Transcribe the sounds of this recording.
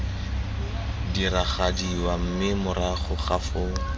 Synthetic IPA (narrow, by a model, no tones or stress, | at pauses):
diraχadiwam̩mɪmʊraχʊχafoːŋ̩